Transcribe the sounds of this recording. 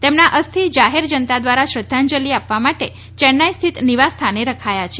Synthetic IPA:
t̪emnaʔəst̪ʰid͡ʒaɦeɾd͡ʒənt̪ad̪ʋaɾaʃɾəd̪ʱːand͡ʒəliapʋamaʈe | t͡ʃɛnːajst̪ʰit̪niʋast̪ʰaneɾəkʰajat͡ʃʰe

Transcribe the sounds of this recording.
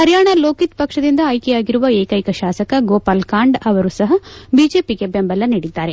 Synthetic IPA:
kɐɾjaːɳɐlo̞ːkit̪pɐkʂɐd̪ind̪ɐːjkejaːɡiɾuʋɐeːkɐjkɐʃaːsɐkɐɡoːpaːlkaːɳɖɐʋɐɾuːsɐɦɐbiːd͡ʒe̞ːpiɡe̞bembɐlːɐniɽid̪ːaːɾe̞

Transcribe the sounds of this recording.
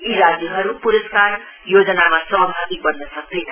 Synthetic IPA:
iɾad͡zjʌɦʌɾupuɾʌskar | jod͡zʌnamasʌɦbʱabik̚bʌɾnʌsʌk̚d̪ʌjnʌ

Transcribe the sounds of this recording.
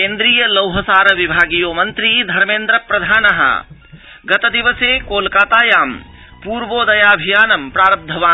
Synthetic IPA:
kẽnd̪ɾijəlɐwɦəsaːɾəʋibʱaːɡijomɐnt̪ɾid̪ʱɐɾmẽːnd̪ɾəpɾɐd̪ʱaːnɐɦə̰ | ɡɐt̪əd̪iʋəsekolkaːt̪aːjaːm | puɾʋoːd̪ɐjaːbʱijaːnɐmpɾaːɾəb̚d̪ʱɐʋaː

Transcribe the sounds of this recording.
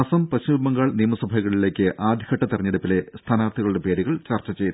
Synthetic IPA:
ɐsɐmpɐɕumːɐŋɡaːɭnijɐmɐsɐbʱɐɣɐɭile̞ːkʲːɨʔaːd̪ʱi̥kɐʈːɐt̪irɐɲːeɽupːile̞st̪ʰaːnaːrt̪ʰiɣɐɭuɽe̞pe̞ːɾuɣɐɭt͡ɕɐrt͡ɕːɐt͡ɕejt̪ː

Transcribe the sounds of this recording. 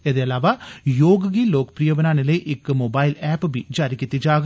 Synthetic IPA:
ɐðejɐlaːʋaːjoːɡɐɡiloːkɐ̥pɾijɐʋɐnaːnilɐjʔɪkːɨmobaːjɪlɛːpːbid͡ʒaːɾikʲːit̪ːid͡ʒaːɡ

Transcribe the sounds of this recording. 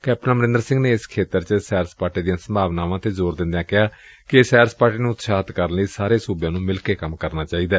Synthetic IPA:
kɛːp̚ʈnãməɾɪ̃nd̪əɾsɪ̃ŋɡneːɪskʰeːt̪əɾt͡ʃəsɛːɾspaːɾʈiːd̪ijãːsəmbʱaːʋnaːʋãːt̪eːzoːɾd̪ɪ̃nd̪ejãːkɪɦaː | kɪesɛːɾəspaːɾʈiːnũːʊt̪ʃaːt̪kəɾənləiːsaːɾeːsuːbjãːnũːmɪlkeːkəmkəɾnaːt͡ʃaːiːd̪aː

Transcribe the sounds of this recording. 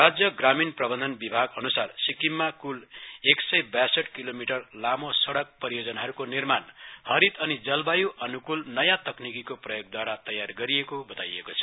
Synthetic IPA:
rad͡zjʌɡraminprʌbʌnd̪ʱʌnbibʱaɡʌnusarsikimːakuleksʌjbjasʌʈkilomiʈʌrlamosʌɽʌk̚pʌɾijod͡zʌnaɦʌɾukonirmanhʌɾit̪ʌnid͡zʌlbajuʔʌnukulnʌjãt̪ʌknikikoprʌjoɡ̚d̪waɾat̪ʌjarɡʌɾiekobʌt̪a̰jḛkot͡sʰʌ̥

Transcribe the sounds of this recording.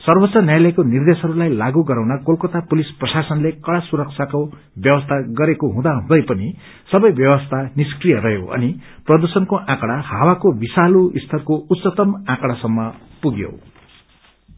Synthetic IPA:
sʌrbʌt̪ːt͡sːʌnjajlʌjkonird̪esɦʌɾulajlaɡuɡʌɾawnakolkʌt̪apulisprʌsasʌnlekʌɽasuɾʌkt͡sʰako | bjʌwʌst̪ʰaɡʌɾekoɦũd̪aɦũd̪ʌjpʌni | sʌbʌjbjʌwʌst̪ʰaniskrijʌɾʌɦjo̰ʔʌ̰niprʌd̪ursʌnkoʔãkɽahawakobisaluist̪ʰʌrkout̪ːsʌt̪ʌmãkɽasʌmːʌpuɡjo̰

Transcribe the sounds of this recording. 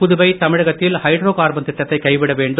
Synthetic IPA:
pʊðʊbɐɪt̪ɐmɪɻɐɣɐt̪ːɪlhɐɪɖɾoːkaːɾbɐnt̪ɪʈːɐt̪ːɐɪkːɐɪʋɪɽɐʋeːɳɖɯ

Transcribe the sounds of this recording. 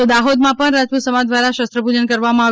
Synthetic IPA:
t̪od̪aɦod̪mãpəɳɾad͡ʒpusəmad͡ʒd̪ʋaɾaʃəst̪ɾəbʱud͡ʒənkəɾʋamãaʋ

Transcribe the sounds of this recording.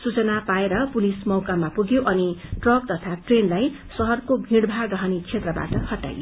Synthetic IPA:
sut͡sʌnapaeɾʌpulismʌwkamapuɡjoʔʌniʈrʌk̚t̪ʌt̪ʰaʈrenlaj | sʌɦʌrkobʱĩɽbʱaɾʌɦʌnit͡sʰet̪rʌba̰ʈʌhʌʈa̰jo

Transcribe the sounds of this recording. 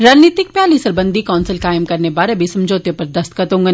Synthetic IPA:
ɾaːd͡ʒniːt̪ɪk̚pjaːlisɐɾbɐ̃nd̪ʱikɔːnsɪlkaːɪmkɐɾnebaːɾebʱisɐmd͡ʒoːt̪jopɐɾd̪ɐst̪kət̪õːŋɡə

